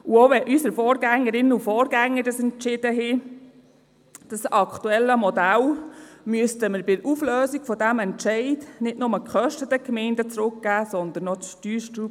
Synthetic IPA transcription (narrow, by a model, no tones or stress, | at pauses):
uoʋɛʔysəɾfɔːɾɡæŋːəɾɪnəufɔːɾɡæŋːədəsɛntt͡ʃɪd̥əɦɪ | d̥ɑsɑkχt̪uɛlːəmɔdælmyəstəməɾbɪufløːziɡ̥fɔdæmɛntʃɛɪdnɪdnʊməkχœʃtətəkmɛɪndət͡sɾʊkɡ̥æːsɔnd̪ənɔʃtyːɾʃtɾu